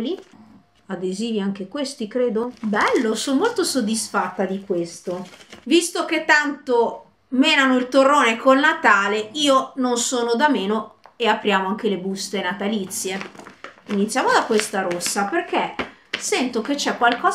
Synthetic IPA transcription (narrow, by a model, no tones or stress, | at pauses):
li | ad̪eziːviaŋk̟ekwest̪ikɾeːd̪obɛlːosonomolt̪osod̪ːisfat̪ːad̪ikwest̪ovist̪oket̪ːant̪o | meːnanoilt̪orːoːnekʰolnat̪aːleiːononsoːnod̪ameːnoeapɾjaːmoaŋk̟elebust̪enat̪alit̪sːje | init̪sjaːmod̪akwest̪aɾosːaperk̟esɛnt̪oket͡ʃːɛkːwalkɔː